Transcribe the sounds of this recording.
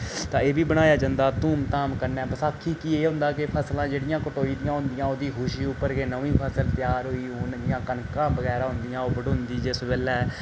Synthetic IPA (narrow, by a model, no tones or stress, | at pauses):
t̪ãːeːbiːbəɽ̃aːjaːd͡ʒãnd̪aːt̪uːmt̪aːmkəɾnɛːbəsaːkʰːiːkiːeːɦʊ̃nd̪aːkepʰəslãːd͡ʒeːɽɪjãːkəʈoːiːd̪ɪjãːɦʊ̃nd̪ɪjãːoːd̪iːɦʊʃiːʊpːəɾɡeːnəʋĩːpʰəsəlt̪ɪjaːɾɦoːiːʊnd̪ɪjãːkənkãːbəɣɛːɾãːɦʊ̃nd̪ɪjãːoːbəɖʊnd̪iːd͡ʒɪsbeːlɛː